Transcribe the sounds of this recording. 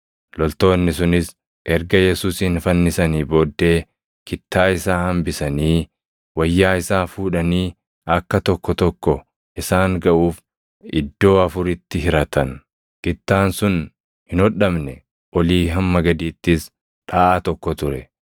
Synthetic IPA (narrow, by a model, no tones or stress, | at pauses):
lɔlt̪o̞ːnːɪsʊnɪs | ʔɛɾɡɐjɛsuːsɪnfɐnːɪsɐniːbo̞ːd̪ːe̞ː | kɪt̪ʰːaːɪsaːhɐmbɪsɐniː | wɐjːaːɪsaːfuːᶑɐniː | ɐkːɐt̪ɔkːɔt̪ɔkːɔ | ʔɪsaːŋɡɐʔuːf | ɪd̪ːo̞ːɐfʊɾɪt̪ːɪɦɪɾɐt̪ɐn | kɪt̪ːaːnsʊn | hɪnɔᶑɐmnɛ | ʔɔliːɦɐmːɐɡɐd̪iːt̪ːɪs | ᶑaːʔat̪ɔkːɔt̪ʊɾɛ